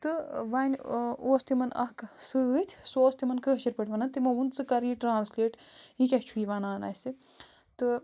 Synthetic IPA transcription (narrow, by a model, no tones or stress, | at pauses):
t̪ɨʋɐːnʲoːst̪imɐnɐ̰ksɨt̪ʰʲsoːst̪imɐnkəɦʃiɾpɐʈʰʲʋɐnɐnt̪imɐunt͡sɨkɐɾiʈɾaːnslʲeːʈikʲɐht͡ʃʰuiʋanaːnɐ̰si | t̪ɨ